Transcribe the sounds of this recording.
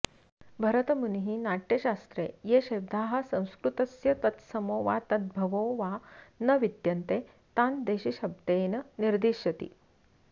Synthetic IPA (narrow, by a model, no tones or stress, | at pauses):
bʱɐɾət̪əmunɦiːnaʈjeɕast̪ɾejeɕebd̪aːɦɐ̆sɐ̃w̃skɾut̪ɐsjɐt̪ɐt̪səmoːʋa̰t̪ɐd̪̚bʱɐʋoːʋanəʋid̪jɐnt̪e | t̪and̪eɕiɕɐb̚d̪eːnəniɾd̪iɕjɐt̪ḭː